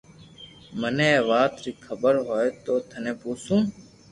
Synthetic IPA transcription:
mənẽːʋaːt̪ɾiːkʰəbəɾɦoːet̪oːt̪ʰənẽːpuːsũː

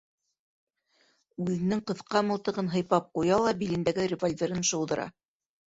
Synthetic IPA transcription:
ʉðɘ̆nɘŋqɤ̆θqɑmɤ̆lˠt̪ɤ̆ʁɤnɦɤ̆jpɑp̚qujɑlˠɑbilɘ̆nd̪æɡɘrʲɪvolʲvʲeɾɤnʃɤ̆wðɤ̆ɾʔɑ̰

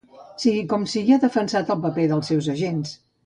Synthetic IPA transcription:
siɣikɔmsiɣiəðəfənsat̪əlˠpəpeðəlˠsɛwzəʒens

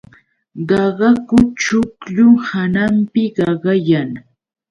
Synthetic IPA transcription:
ɢɑɢɑkʊt͡ʃʊkʎʊŋhanampɪɢɑɢɑjaŋ

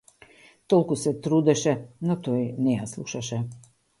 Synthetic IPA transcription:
t̪ɔlˠkusɛt̪ɾud̪ɛʃɛnɔt̪ɔjnɛjaslˠuʃaʃɛ

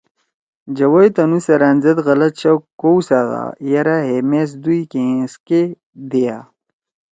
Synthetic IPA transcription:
d͡ʑɐwojt̪ɐnusɐɾaːnzɐt̪ɣɐlɐt̪̚ɕɐwkowsaɣa̰jɐɾaɦemes̬d̪ujkẽske | d̪eja

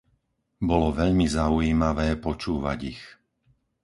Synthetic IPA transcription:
bɔlɔʋɛʎmizaujiːmaʋɛːpɔt͡ʃuːʋa̰ɟix

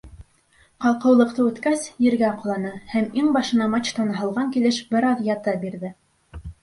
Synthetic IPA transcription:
qɑlˠqɤ̆wlˠɤ̆qt̪ɤʉt̪kæsjɘ̆ɾɡæqɤ̆lˠɑnɤhæmiŋbɑʃɤ̆nɑmɑt͡ɕt̪ɑnɑɦɑ̆lˠʁɑŋkilɘʃbɘ̆ɾɑðjɑt̪ɑbiɾðɘ

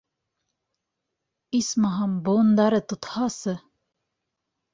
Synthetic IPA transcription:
ismɑɦɑmbond̪ɑɾɤt̪ŏt̪hɑsɤ

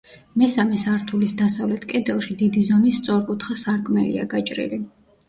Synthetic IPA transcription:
mɛsamɛsaɾt̪ʰulisd̪asavlɛt̪ʰkʼɛd̪ɛlˠʃid̪id̪izɔmist̪sʼɔɾkʼut̪ʰχasaɾkʰʼmɛlḭa̰ɡat͡ʃʼɾḭli

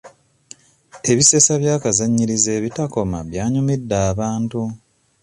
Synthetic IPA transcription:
e̞βise̞saβjaːkazaɲːiɾize̞βitako̞maβjaːɲumidːaːβaːntu

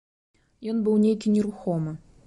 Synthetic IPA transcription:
jɔnbɨwnʲejkʲinʲɪɾuxɔmɨ

